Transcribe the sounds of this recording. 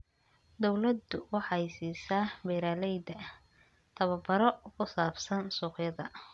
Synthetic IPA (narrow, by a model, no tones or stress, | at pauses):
d̪ɔwlɐd̪ʊwɑħɑjsiːsaːbɛːɾaːlɛjd̪ɐ | t̪ʰɐβɐbɐɾɔkʰʊsaːbsɐnsuːqjɐðɐ